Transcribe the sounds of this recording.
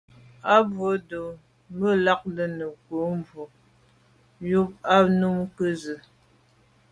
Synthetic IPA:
a˦bo˨˦do˨ | mə˦la˦k̚lə˨nə˨ko˨˦mvo˨ | ju˦p̚a˦nu˦mkə˦zə˨

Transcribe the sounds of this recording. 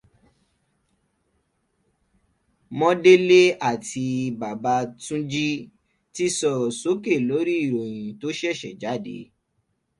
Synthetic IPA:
mɔ̃˦de˦le˦a˦˨ti˧ba˨ba˧˦tũ˦d͡ʒi˦ | ti˦sɔ˦˨ɾso˦ke˦˨lo˨˦ɾi˦i˦˨ɾo˨j̃ĩ˨to˦ʃɛ˦˨ʃɛ˨d͡ʒa˨˦˨dḛ˨˦

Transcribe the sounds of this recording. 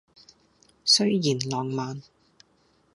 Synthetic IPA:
sɵ˥ɥjiː˨˩nlɔː˨ŋmaː˨n

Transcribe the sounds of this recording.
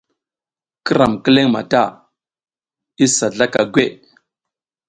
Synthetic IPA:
kə˦ɾa˨mkə˦le˦ŋma̰˨ta˦˨ | i˦sa˨ɮa˦ka˨ɡʷe˦˨

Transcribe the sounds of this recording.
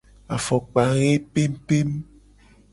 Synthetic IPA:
a˨fɔ˨k͡pa˨ɣe˦pe˦m˦pe˦m˦

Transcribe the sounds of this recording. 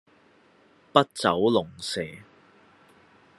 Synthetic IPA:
pɐ˥t̚t͡sɐ˨˥wlʊ˨˩ŋsɛː˨˩

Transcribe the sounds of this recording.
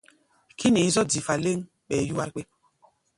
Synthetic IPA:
kʰi˦ne˨˦zɔ˦di˨fa˨le˦ŋ | ɓɛ˨ju˦wa˦ɾk͡pe˦

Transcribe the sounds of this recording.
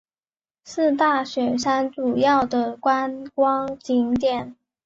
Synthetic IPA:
sɹ̩˥˧t̪a˥˩ɕɥɛ˨˩nʂa˥nt͡su˨˩jɑ˥˩ʊd̪ə˩kwa˥nkwɑ˥ŋt͡ɕi˧˥ŋt̪jɛ˥˩n

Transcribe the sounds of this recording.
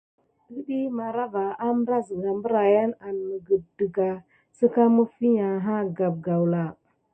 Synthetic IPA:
ɡə˦ɗi˦ma˨ɾa˦va˨a˦mə˦ɾa˦zə˨ɡa˨mbə˦ɾa˨ja˦na˨nmə˨ɡə˨də˨ɡa˨ | sə˦ka˦mə˦fi˦ɲa˨ɦa˦ɡa˨b̚ɡa˨wla˨

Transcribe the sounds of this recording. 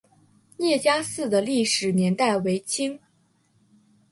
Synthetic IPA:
jjɛ˥˩t͡ɕja˥sɹ̩˥˩d̪ə˩li˥˩ʂɻ̩˨˩njɛ˧˥nt̪a˥˩ɪwe˧˥ɪt͡ɕʰi˥ŋ

